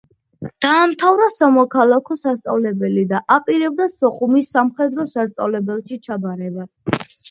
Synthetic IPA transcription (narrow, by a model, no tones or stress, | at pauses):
d̪̥aːmt̪ʰavɾasamɔkʰalˠakʰɔsast̪sʼavlɛbɛlid̪aʔapʼiɾɛbd̪asɔχumisːamχɛd̪ɾɔsast̪sʼavlɛbɛlˠʃit͡ʃʰabaɾɛbas